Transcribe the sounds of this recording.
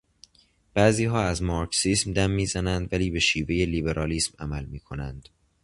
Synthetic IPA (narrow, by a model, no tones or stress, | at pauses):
b̥æʔziːɦɒːæzmɒːɾksiːsmd̪æmːiːzænænd̪væliːbe̞ʃiːveje̞liːbe̞ɾʔɒːliːsmæmælmiːkʰo̞nænd̪̥